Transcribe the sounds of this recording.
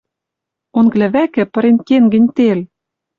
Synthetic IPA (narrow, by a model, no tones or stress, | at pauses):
onɡlɘ̆βækɘ̆pɤ̆ɾenkeŋɡɘ̆nʲt̪el